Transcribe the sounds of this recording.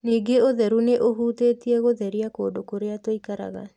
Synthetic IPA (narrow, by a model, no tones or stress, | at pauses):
niːɡeoðɛɾuneʔoɦuːteːtiɛɣoðɛɾiako̰ːdokoɾeatoikaɾa̰ɣa̰